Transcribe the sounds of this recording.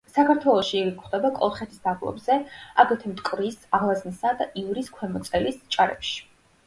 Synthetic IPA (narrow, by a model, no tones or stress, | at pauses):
sakʰaɾt̪ʰwɛlˠɔʃiːɾikʰχd̪ɛbakʼɔ̰lˠχɛt̪ʰisd̪ablˠɔ̰bzɛa̰ɡɛt̪ʰɛmt̪ʼkʼɾisaʁlˠaznisad̪aʔivɾiskʰwɛmɔt̪sʼɛlist͡ʃʼaɾɛ̰pʃi̥